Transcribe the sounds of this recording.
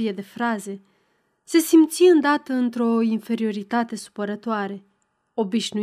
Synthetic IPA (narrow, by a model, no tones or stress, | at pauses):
ie̞d̪e̞fɾaze̞ | se̞simt̪siɨnd̪at̪əɨnt̪ɾo̞infe̞ɾio̞ɾit̪at̪e̞su̥pəɾət̪oaɾe̞ | o̞biʃnu